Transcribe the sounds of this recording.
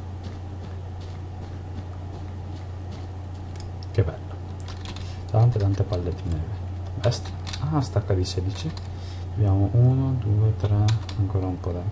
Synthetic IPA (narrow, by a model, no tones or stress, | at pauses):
kebɛ̰lːo | t̪ant̪et̪ant̪epalːet̪ːineːve | bɛst̪ | ast̪akːad̪iseːd̪it͡ʃi | abjaːmoʔuːnod̪uːet̪ɾɛ | aŋkoːɾaumpɔd̪a